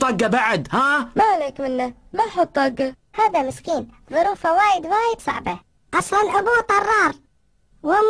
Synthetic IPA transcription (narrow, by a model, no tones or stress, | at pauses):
ɑɡːabaʕd̪haːmaʔleːkmɪnːa | maħʊt̪ˤːɑɡːa | haːðamɪskiːn | ðˤʊɾuːfawaːjɪd̪waːjɪd̪sˤɑ̰ʕba | ʔɑsˤlɑnʔabuːt̪ˤɑrˤːɑːɾˤ | wɪm